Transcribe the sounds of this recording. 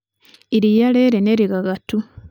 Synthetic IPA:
iɾijaleːɾeneɾiɣaɣatu

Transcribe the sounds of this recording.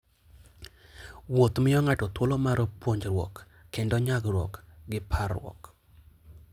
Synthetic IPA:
wot̪mɪɔŋatɔt̪wolomaɾpwoɲd͡ʒɾwɔ̰kː | endɔɲaɡrwɔ̰kɡɪpʰarwɔ̰k

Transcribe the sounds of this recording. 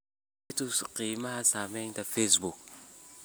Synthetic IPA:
tusqimahasametafesbuk

